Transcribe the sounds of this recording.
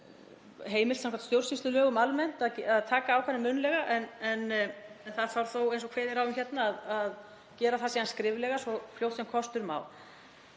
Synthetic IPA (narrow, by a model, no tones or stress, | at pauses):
ɦeːjmɪlt̪samkʰat̪st̪jowrsisʏlœːɣʏmalmɛn̥t̪aðcaðt̪ʰaːkaːwkʰvɛnɪmʏnlɛɣaʔɛnɛnɛnθaðfawɾθowejnsɔkʰvɛːðɪɾawʏmçɛt̪naːðað | cɛːɾaθasɛːðanskɾɪːvlɛɣasɔfljowht̪sɛmkʰɔst̪ʏɾma̰ːw̪